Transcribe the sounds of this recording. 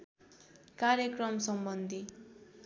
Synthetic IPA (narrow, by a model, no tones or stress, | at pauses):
kaɾjʌkrʌmsʌmbʌnd̪ʱi